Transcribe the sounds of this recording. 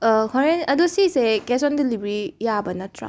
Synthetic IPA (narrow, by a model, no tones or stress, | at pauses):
kʰɔɾenɐdosisekesɔndilibɾijabɐnɐtɾa̰